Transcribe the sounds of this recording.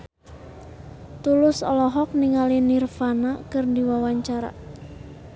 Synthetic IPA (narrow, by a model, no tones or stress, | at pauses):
t̪ulʊsɔ̰lɔɦɔk̚niŋalinirfanakɨrdiwawaɲt͡ʃaɾa̰